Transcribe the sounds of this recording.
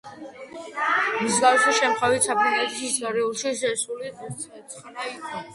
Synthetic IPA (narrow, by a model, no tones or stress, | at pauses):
mizɡawsaʃɛmχʼavit̪sʰapʰɾinat̪isisaɾɛulˠʃiʃɛsuliuɛsʰʼχnai